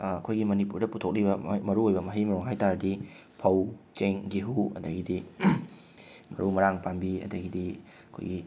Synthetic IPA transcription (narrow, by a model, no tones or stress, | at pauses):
ɐkʰojɡimɐnipuɾdɐputʰok̚libɐmɐɾuojbɐmɐɦijmɐɾuŋɦajtaɾɐdi | pʰɐwt͡ʃeŋɡiɦuɐ̰dɐɡidi | mɐ̰ɾumɐɾaŋpambiɐ̰dɐɡidi | ɐkʰo̰jɡi